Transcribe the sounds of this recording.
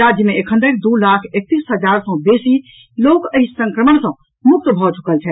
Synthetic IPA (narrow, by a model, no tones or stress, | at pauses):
ad͡ʒjəmeːkʰə̃nd̪əɾd̪ulakʰek̚t̪isɦəd͡ʒaɾsə̃besi | lokəɦisə̃ŋkɾəməɳsə̃ | muk̚t̪əbʱɔt͡ʃʰu̥kəlt͡ʃʰɛ